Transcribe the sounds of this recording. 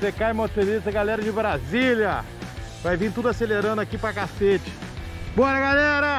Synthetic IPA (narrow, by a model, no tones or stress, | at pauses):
sekajmõsfeɾisɐɡalɛɾɐd͡ʒɪbɾazilɐ | vajvĩt̪ud̪ʊaseleɾɐ̃nd̪ʊakipɾɐkaset͡ʃɪ̥bɔɾɐɡalɛɾɐ